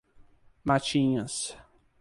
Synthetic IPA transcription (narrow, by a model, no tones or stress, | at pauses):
mat͡ʃĩɲɐs